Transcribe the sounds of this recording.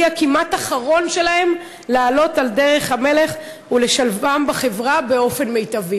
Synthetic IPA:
akimataχaʁo̞nʃe̞lahe̞m | laːlo̞talde̞ʁe̞χhame̞le̞χ | ule̞ʃalvambaχe̞vʁabe̞o̞fe̞nme̞jtavi

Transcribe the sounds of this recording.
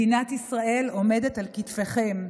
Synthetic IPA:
inatisʁaʔe̞lo̞me̞de̞talkitfe̞χem

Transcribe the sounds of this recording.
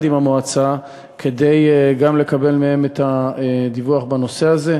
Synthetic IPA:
dimamoat͡sa | kʰe̞de̞jɡamle̞kabe̞lmeemetad̪ivuaχbano̞se̞aze̞

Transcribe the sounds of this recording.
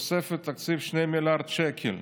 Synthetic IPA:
sefet̪ːakt͡sivʃnejmilaʁd̪t͡ʃekʰil

